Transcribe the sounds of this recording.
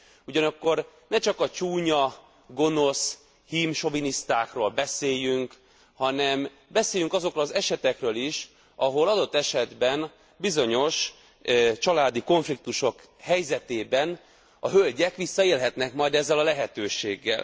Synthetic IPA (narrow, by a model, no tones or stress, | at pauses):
uɟɒnɒkːo̞r | nɛt͡ʃɒkɒt͡ʃuːɲɒ | ɡo̞no̞s | himʃo̞vinist̪aːkroːlbɛseːjyŋk | hɒnɛm | bɛseːjyŋkɒzo̞krolɒzɛʃɛt̪ɛkrøːliʃ | ʔɒɦo̞lɒd̪o̞t̪ːɛʃɛd̪bɛn | bizo̞ɲo̞ʃ | t͡ʃɒlaːd̪iko̞ɱflik̚t̪uʃo̞k | hɛjzɛt̪eːbɛn | ɒɦølɟɛkʋisːɒeːlɦɛt̪nɛkmɒjd̪ɛzːɛlɒlɛɦɛt̪øːʃeːɡːɛ̰l